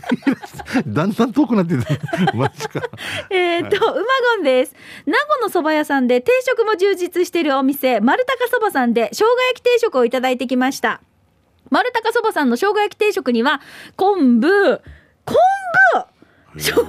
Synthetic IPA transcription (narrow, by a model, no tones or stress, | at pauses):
ɾd̪ãnd̪ãnt̪oːkɯnat̪̬ːet̪amai̥kaeːt̪ːoɯ̟maɡõ̞nd̪e̞sɨ̥naɡo̞no̞so̞bajasãnd̪e̞t̪e̞ːɕo̞kɯ̟mo̞ʑɨːʑit͡sɨɕi̥t̪e̞ɾɯ̟o̞mʲise̞maɾɯ̟t̪akaso̞basãnd̪e̞ɕo̞ːɡajakʲi̥t̪e̞ːɕo̞kɯ̟o̞it̪ad̪ait̪e̞kʲimaɕi̥t̪a | maɾɯ̟t̪akaso̞basãnːo̞ɕo̞ːɡajakʲi̥t̪e̞ːɕo̞kɯ̟ɲ̟iβakõ̞mbɯ̟ | kʰõmbɯ | ɕo